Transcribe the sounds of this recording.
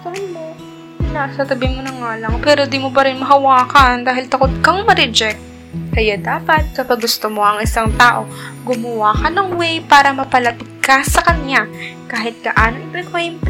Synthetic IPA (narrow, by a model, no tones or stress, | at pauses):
t̪ɐhɐnmo | nasɐt̪ɐbɪmonɐŋaːlɐŋpɛːɾod̪iːmopɐɾɪnmɐɦɐwaːkɐnd̪aːɦɪlt̪ɐkot̪̚kɐŋmɐɾɛd͡ʒɛk̚t̪̚ | kɐjad̪aːpɐt̪̚kɐpɐɡːʊst̪omo̞ʔɐŋʔɪsaŋt̪aːʔo̞ | ɡʊmɐwakɐnɐŋwɛjpaːɾɐmɐpɐlɐpɪt̪̚kɐsɐkɐɲakaːɦɪt̪̚ɡ̥ɐʔaːnoŋɪpɾɛkwɛjmp